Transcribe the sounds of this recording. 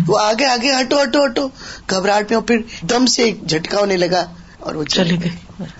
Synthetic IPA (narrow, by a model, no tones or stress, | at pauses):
oaːɡeaːɡeɦɐʈoɦɐʈoɦɐʈoɡʱɐbɾaːʈmẽɔpʰɪɾd̪ɐmseːk̚d͡ʒʱɐʈkaːonelɐɡa | ɔ̰ːɾʋot͡ʃɐleɡe